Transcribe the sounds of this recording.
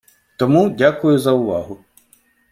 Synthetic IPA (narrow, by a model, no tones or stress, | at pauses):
t̪ɔmudʲakʊjʊzɐʊʋaɦʊ